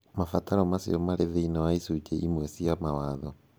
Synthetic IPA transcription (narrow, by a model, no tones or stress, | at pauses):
mafataɾɔmasḭɔmaɾeðeinawaisut͡ʃeʔimwesijamawaðɔ